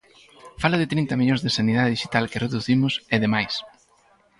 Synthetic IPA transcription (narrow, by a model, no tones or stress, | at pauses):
falɐðɪt̪ɾint̪ɐmiʎõzðesaniðaðeðiʃi̥t̪alkɪreðuθimʊseðemajs